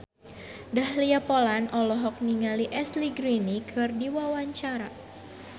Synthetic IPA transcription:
dahliapolanʔɔlɔɦɔk̚niŋaliʔɛsliɡɾinikʰɨrdiwawaɲt͡ʃaɾa

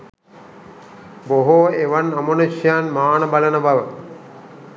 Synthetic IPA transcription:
boɦoeʋanamonuʃjanmaːnəbalənəbaʋə

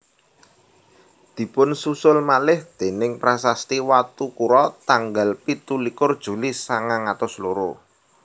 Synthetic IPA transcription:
d̪̥i̤pʊnsusʊlmalɪhd̪̥e̤nɪŋpɾasast̪iwat̪ukuɾɔt̪aŋɡalpit̪ulikʊrd̥ʒ̥ṳlisaŋaŋat̪ʊsloɾo

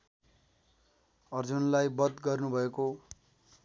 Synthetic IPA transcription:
ʌrd͡zunlajbʌd̪ɡʌrnubʱʌeko

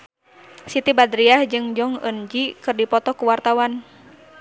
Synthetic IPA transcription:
sit̪ibad̪ɾiahd͡ʒɨŋd͡ʒɔŋə̰nd͡ʒikɨrdipɔt̪ɔkuwart̪awan

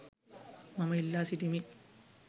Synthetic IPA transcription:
mɐmɐilːaːsiʈimi

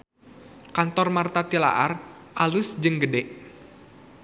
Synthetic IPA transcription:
kant̪ɔrmart̪at̪ila̰ʔarʔalusd͡ʒɨŋɡədɛʔ

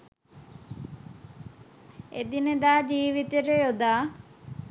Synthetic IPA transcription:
ḛd̪inəd̪aːd͡ʒiːʋit̪eʈejod̪aː

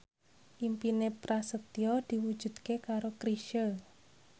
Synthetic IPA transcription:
ʔimpinepɾasət̪iɔd̪̥i̤wud̥ʒ̥ṳd̪̥kekaɾokɾiʃə

